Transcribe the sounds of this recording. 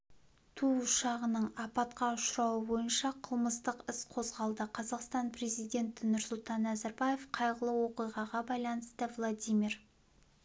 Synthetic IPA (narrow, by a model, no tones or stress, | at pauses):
t̪ʰuʊʃɑʁənəɴɑpɑt̪qɑʊʃɾɑwəbo̞jənʃɑqʰəlˠməst̪əqɪsqʰo̞zʁɑlˠd̪əqʰɑzɑqst̪ɑnpʰre̞zijd̪e̞nt̪ɪnʊɾsʊlˠt̪ɑnːæzaɾbɑjefqʰɑjʁəlˠəwo̞qijʁɑʁɑbɑjlˠɑnəst̪əvlˠad̪ijmʲir